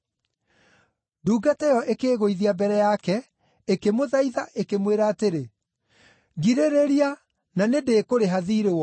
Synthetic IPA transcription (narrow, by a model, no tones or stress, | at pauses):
duːɡatɛjɔʔekeːɣoiðiabɛɾɛjakɛ | ekemoðaiðaʔekemweɾaːteɾe | ɡiɾeɾeɾia | nanedeːkoɾeɦaðiːɾewɔ